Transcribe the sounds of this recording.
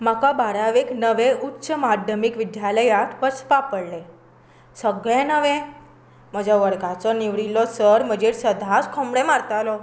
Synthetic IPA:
makabaɾaʋeknəʋeʔutːɕəmad̪ʱjəmikʋid̪jaləjat̪pət͡spapəɽle | səɡɭɛ̃nəʋɛ̃ | m̤əd͡ʑʱaʋəɾɡat͡sɔniʋɽilːɔsəɾm̤əd͡ʑeɾsəd̪ʱaskʰɔmɽɛmaɾt̪alɔ

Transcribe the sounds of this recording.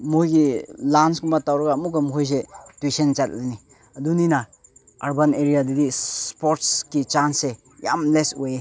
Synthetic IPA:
mojɡilansɡumbatawɾɐɡaːmuɡamɦojs̬etwisent͡ʃat̚lajni | ɐdunina | aɾbaneɾijadɐdispoɾtskit͡ʃanse | ja̰mlesoje

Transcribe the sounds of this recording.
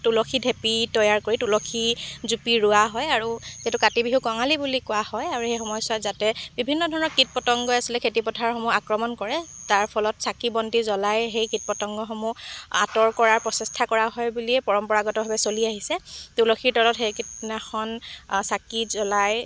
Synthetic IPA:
tulɔkʰidʱepitɔjaɹkoɹitulɔkʰizupiɹʊaɦɔjaɹuetukatibiɦukɔŋalibulikʊahɔjaɹuxejxɔmɔjsatzatɛbibʱinːɔdʱɔɹɔnɔɹkit̚pɔtɔŋɡɔasilɛkʰetipɔtʰaɹxɔmuakɹɔmɔnkɔɹɛtaɹpʰɔlɔtsakibɔntizɔlajɦejkit̚pɔtɔŋɡɔxɔmua̰tɔɹkɔɹaɹpɹɔsɛstʰakɔɹaɦɔjbuliɛpɔɹɔmpɔɹaɡɔtɔbʱabɛsoliaɦisɛtulɔxʰiɹtɔlɔtxejkitnaxɔnsakizɔlaj

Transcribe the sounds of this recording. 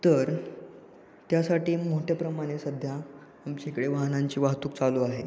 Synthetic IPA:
t̪əɾ | t̪jasaʈiːmoʈʰepɾəmaɽ̃esəd̪ʱjaː | mt͡ɕekəɽeʋaɦnaɲt͡ɕiːʋaɦt̪uːk̚t͡saluːaɦe

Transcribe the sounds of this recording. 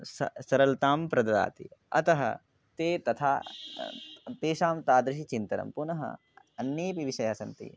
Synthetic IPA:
sɐ̰sɐɾɐlt̪aːmpɾɐd̪ɐd̪a̰ːt̪iɐ̰t̪ɐɦɐ̰ | t̪eːt̪ɐt̪ʰa̰ː | t̪eːʃaːmt̪aːd̪ɾɪʃit͡ʃint̪ɐɾɐ̰mpunɐɦɐ̰ | ɐnjeːpiʋiʃɐjaːsɐnt̪ḭ

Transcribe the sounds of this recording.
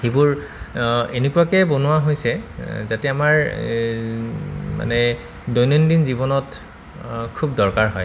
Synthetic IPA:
xebuɹ | enekuwakɛbonʊwaɦojsɛzatɛamaɹ | ma̰nɛ | dojnɔndinzibɔnɔt | kʰubdɔɹkaɹɦɔj

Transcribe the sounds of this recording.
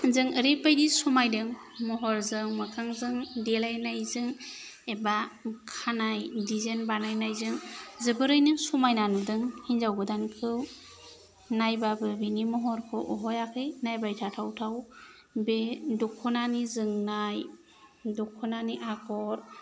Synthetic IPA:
zɯŋəɾipajdisumajdɯŋ | mɔɦɔɾzɯŋmakʰaŋzɯŋdelajnajzɯŋ | ebakʰanajdizenbanajnajzɯŋzɯbɯɾɯjnɯŋsumajnanɯdɯŋhinzawɡɯdankʰɯw | najbabɯbinimɔɦɔɾkʰɯʔɔɦɔjakʰɯjnajbajtʰatʰawtʰaw | bedɔkʰːɔnanizɯŋnaj | dɔkʰːɔnaniʔakʰɔɾ

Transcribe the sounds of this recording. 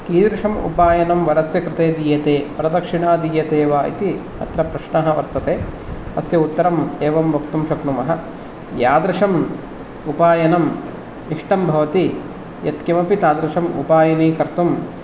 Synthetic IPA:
kiːd̪ɾʂɐmṵpaːjɐnɐmʋɐɾɐsjɐkɾɪt̪eːd̪iːjɐt̪eːpɐɾɐd̪ɐkʂiɳaːd̪iːjɐt̪eːʋaːḭt̪i | ɐ̰t̪ɾɐpɾɐʂɳɐɦɐʋɐɾt̪ɐt̪eːɐ̰sjɐut̪ːɐɾɐmeːʋɐmbʱɐkt̪umʃɐknumɐɦɐ | jaːd̪ɾɐʂɐm | upaːjɐnɐm | iʂʈɐmbʱɐʋɐt̪i | jɐ̰t̪kɐmɐpit̪aːd̪ɾɐʂɐmṵpaːjɐniːkɐɾt̪um

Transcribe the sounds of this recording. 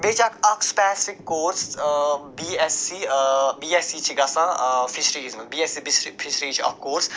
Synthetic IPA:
beːt͡ʃakɐkspɛːsfɪkːoːɾsbiːɛsibiːɛsit͡ʃʰiɡɐsãfʰɪʃɾiːzmɐ̃nbiːɛsibisfʰɪʃɾiːt͡ʃʰiɐ̰fkoːɾs

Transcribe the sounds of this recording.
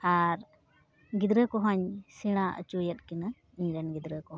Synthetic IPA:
aɾ | ɡid̪ɾəkɔɦɔɲsiɽ̃aə̰t͡ʃujət̪̚kina | iɲɾɛnɡid̪ɾəkɔɦ

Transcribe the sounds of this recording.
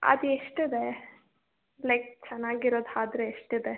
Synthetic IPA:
ɐ̰d̪ueʂʈid̪e | lɐjk̚t͡ʃɛnːaːɡiɾoːd̪aːd̪ɾeeʂʈid̪e̞

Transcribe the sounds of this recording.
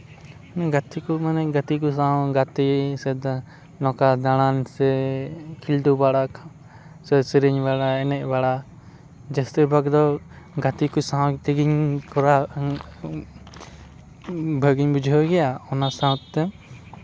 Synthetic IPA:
nɛɡat̪ikumanɛʔɡat̪ik̬usãwɡat̪isɛd̪ | nɔ̃kad̪aɽ̃ansɛkʰild̪ubaɽa | sɛsiɾiɲbaɽaɛnɛʔ̚baɽa | d͡ʒɛst̪əbaɡd̪ɔ | ɡat̪ikusawt̪iɡiɲkɔɾa | bʱəɡiɲbud͡ʒʱɔɡɛjaɔnasãw̃t̪̚ːɛ

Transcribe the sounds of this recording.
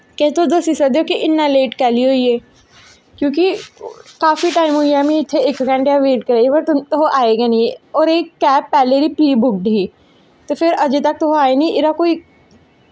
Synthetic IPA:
kɛːt̪od̪oːsisəd̪eokiʔɪnːaleːʈkɛːliɦoːieː | kjõːk̬ikaːfiʈaːɪmɦoijamẽɪt̪ʰːeeːkɡə̃ɳʈejaʋeːʈkɐɾaːiʋɐɾt̪t̪oɦoʔaːeɡaniɔːɾeːkːɛːpːɛːleɾipɾiːbʊk̚ɖʱiː | t̪ofʰɪɾɐd͡ʒet̪ɐk̚t̪oɦoaːenĩʔɪɾakoːi

